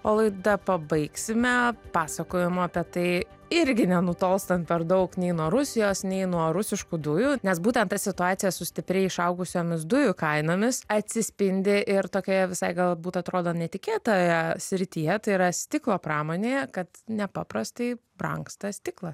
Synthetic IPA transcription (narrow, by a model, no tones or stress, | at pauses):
oːlˠɐɪd̪ɐpɐbɐɪksʲɪmʲɛpɑːsɐkoːjɪmʊɐpʲɛt̪ɐɪ | ɪɾʲɡʲɪnʲɛnʊt̪oːlˠst̪ɐnt̪̚pʲɛɾd̪ɐʊknʲɛɪnuɔɾʊsʲɪjoːsnʲɛɪnuɔɾʊsʲɪʃkud̪ʊjuːnʲɛsbuːt̪ʲɛnt̪ɐsʲɪt̪ʊɑːt̪sʲɪjɛsʊsʲt̪ʲɪpʲɾʲɛɪɪʃɐʊɡʊsʲoːmʲɪs̬d̪ʊjʊkɐɪnoːmʲɪsɐt̪ʲsʲɪsʲpʲɪnʲd̪ʲɪʔɪɾt̪oːkʲoːjɛʋʲɪsɐɪɡɐlˠbuːt̪ɐt̪ɾoːd̪oːnʲɛt̪ʲɪkʲeːt̪oːjɛsʲɾʲɪt̪ʲijɛt̪ɐɪiɾɐsʲt̪ʲɪklˠoːpɾɑːmoːnʲeːjɛkɐt̪nʲɛpɑːpɾɐst̪ɐɪbrɐ̰ŋkst̪ɐssʲt̪ʲɪklˠɐs